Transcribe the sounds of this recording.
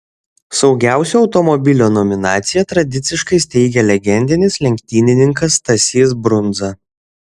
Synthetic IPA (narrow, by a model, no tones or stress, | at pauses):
sɒʊɡʲæˑʊsʲuɒʊt̪ɔmɔbʲɪlʲoːnɔmʲɪnɑːt̪sʲɪjɛt̪ɾɐd̪ʲɪt̪sʲɪʃkɐɪsʲt̪ʲɛɪɡʲɛlʲɛɡʲɛnʲd̪ʲɪnʲɪslʲɛŋʲkʲt̪ʲiːnʲɪnʲɪŋkɐst̪ɐsʲiːs̬bɾʊnd̪zɐ